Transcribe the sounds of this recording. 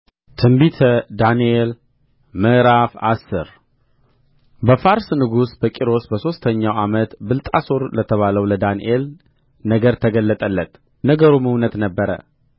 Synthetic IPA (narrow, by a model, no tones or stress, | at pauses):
t̪ʰɨmbit̪ʰəd̪aniel | məɾafa̰sːɨɾ | bəfaɾsnɨɡusbəkʼiɾo̞sbəso̞st̪ʰəɲːawamət̪bɨlt̪ʼasoɾlət̪ʰəβaləwləd̪aniʔel | nəɡəɾt̪ʰəɡəlːət̪ʼəlːət̪ʼ | nəɡəɾuməwnət̪nəbːəɾə̰